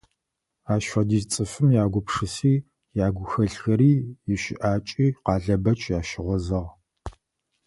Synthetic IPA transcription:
aːʃʷɐdiːzt͡sʼɨfɨmjaːɡʷʊpʂɨsiː | jaːɡʷʊxɐɬxɐɾiːjɪʃɪ̰ʔaːt͡ʃʼiːqɑːɮɐbɐt͡ʃʼjaːʃɪʁʷɔzɐʁ

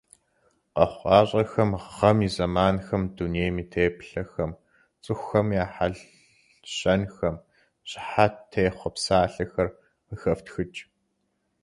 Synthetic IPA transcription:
qɐχʷɑːɕʼɐxɐmʁɐmiːzɐmaːnxɐmduneːjmiːtʰeːpɬɐxɐm | t͡sʼɨxʷːɐmjaːħaɮ | ɕɐnxɐm | ɕʼħatʰːejχʷɔpsaːɬɐxɐr | məxɐftxɨt͡ʃʼ

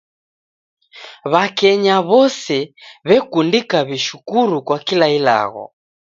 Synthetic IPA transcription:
βakɛɲaβɔsɛβɛkundikaβiʃukuɾukwakilaila̰ɣɔ̰

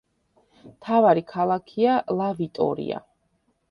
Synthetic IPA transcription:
mt̪ʰavaɾikʰalˠakʰialˠavit̪ʼɔ̰ɾḭa̰

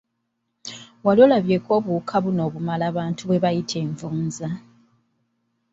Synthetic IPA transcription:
walolaβje̞ko̞ːβukʰaβuno̞ːβumalaːβaːntʰuβwe̞βajitʰe̞ːɱvuːnza

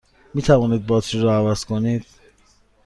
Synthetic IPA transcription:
miːt̪ʰævɒːniːd̪̚bɒːt̪ʃiɾɔævæz̥kʰoniːd̪̥̚

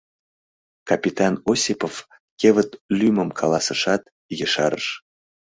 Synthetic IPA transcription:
kɑpʲit̪ɑnosʲipof | kʲevət̪lyməmkʰɑlɑsəʃɑt̪ | jəʃɑɾə̰ʃ

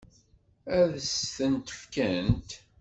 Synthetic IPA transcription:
æðsθənt̪ə̥fkænt̪

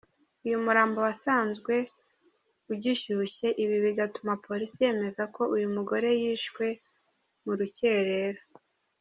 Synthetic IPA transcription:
ujumuɾaːmbo̞wasaːnzɡwe̞ | uɟiʃuçe̞ʔiβiβiɡatumapʰo̞ɾisije̞ːme̞zako̞ujumuɡo̞ɾe̞jiːʃwe̞ | muɾuce̞ɾe̞ɾo

